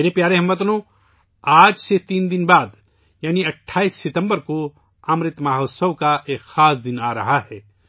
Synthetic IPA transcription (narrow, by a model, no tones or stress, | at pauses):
eːɾepjaːɾeɦɐmːɐt̪nõː | aːd͡ʒset̪iːnd̪ɪnbaːd̪ | jaːniɐʈʰːaːiːsːɪt̪ə̃mbəɾko | ɐmɾɪt̪maːɦoːsəʋkaʔeːkxaːsd̪ɪnaːɾɐɦaɦɛː